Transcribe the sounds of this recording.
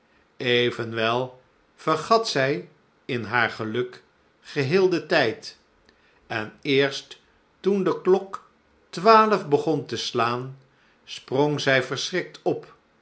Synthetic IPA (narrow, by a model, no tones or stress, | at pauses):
ejvənʋɛlˠ | v̥ərχɑtsɛj | ɪnɦaːɹχəlɵk | χəɦɪːlˠdətɛjt | ɛnɪːɹst | tundəklɔk | tʋaːləvbəχɔntəslaːn | sprɔŋzɛjvəɹsrɪk̚tʰɔp